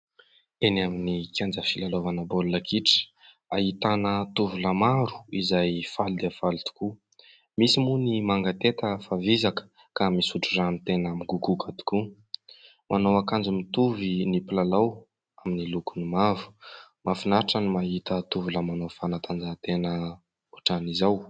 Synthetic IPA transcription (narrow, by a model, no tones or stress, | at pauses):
enaminikʰʲand͡zəfilalovanəbolulakʰiʈ͡ʂə̥ | aɦit̪anət̪uvuləmaɾu̥izajfald̪eafalt̪u̥ku | misimunimaŋɡat̪et̪əfavizakə̥ | kamisuʈ͡ʂuranit̪enamiɡuɡukʰat̪i̥ku | mʔanowakand͡zumit̪uvinipilalaw | aminilukunimavu̥mafinaʈ͡ʂanimaɦit̪ət̪uvuləmanofanat̪and͡zat̪enə | uʈ͡ʂanizaw